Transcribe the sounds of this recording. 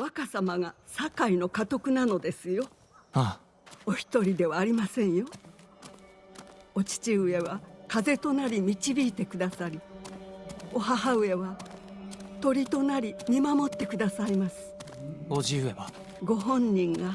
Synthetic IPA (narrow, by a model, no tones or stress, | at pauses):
βakasamaɡa | sakaino̞kat̪o̞kɯ̟nano̞d̪e̞sɨjo̞ | a | oçʲi̥t̪o̞ɾʲid̪e̞βaːɾʲimasẽ̞ɰ̃jo̞ | ot͡ɕi̥t͡ɕiɯe̞βakaze̞t̪o̞naɾʲimʲit͡ɕibʲiːt̪e̞kɯ̟d̪asaɾʲi | o̞ɦaɦaɯ̟e̞βa | t̪o̞ɾʲit̪o̞naɾʲimʲimamo̞t̪ːe̞kɯ̟d̪asaimasɨ̥oʑiɯeβa | ɡo̞ɦõ̞ɲ̟ːĩŋɡa